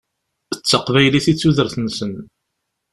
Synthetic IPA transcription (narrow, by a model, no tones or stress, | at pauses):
ət͡sːəqvæjliθit͡sːuðəɾθənːsən